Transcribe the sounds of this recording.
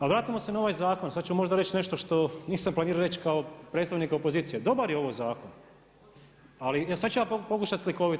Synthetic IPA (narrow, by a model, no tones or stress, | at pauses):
alʋɾaːt̪imo̞senao̞ʋajzaːko̞nsad̪̚t͡ʃummo̞ʒd̪aɾe̞t͡ɕne̞ʃt̪oʃt̪o̞niːsamplˠaniːɾaɾet͡ɕkaopɾet̪st̪aʋnikaopoziːt̪sijed̪o̞baɾjeo̞ʋojzaːkon | alisad̪t͡ʃujaːppo̞kuʃat̪slikoːʋit̪